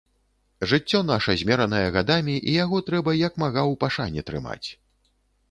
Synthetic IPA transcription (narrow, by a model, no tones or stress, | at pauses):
ʐɨt͡sʲːɔn̪aʂɐzʲmʲɛɾɐnɐjɐɣad̪amʲiʔijaɣɔt̪ɾɛbɐjɐkmaɣawpaʂanʲɛt̪ɾɨ̰ma̰t͡sʲ